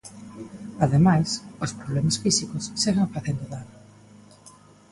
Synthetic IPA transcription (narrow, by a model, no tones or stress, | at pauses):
aðemajsospɾoβlɛmasfisikʊsːeɣaɱfaθend̪oðanʊ